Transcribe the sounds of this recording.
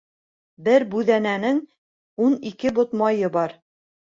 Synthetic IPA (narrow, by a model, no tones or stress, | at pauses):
bɘɾbʉðænænɘŋ | unikɘbŏt̪mɑjɤbɑɾ